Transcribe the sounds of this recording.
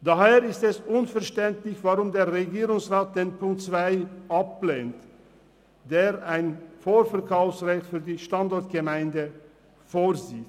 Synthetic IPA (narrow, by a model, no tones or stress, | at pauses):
d̥aɦeːɾɪstɛsʔʊnfɛɐʃtɛntlɪçv̥aʁʊmdeːɐʁeɡiːʁʊŋsʁaːt̚d̥eːnpʰʊŋkt͡sv̥aɪʔap̚leːnt | d̥eːʁaɪnfoːɾfɛɐkʰaʊfsʁɛçtfyːɐdiːʃtandɔɐt̚ɡ̥əmaɪndə | foːʁziːt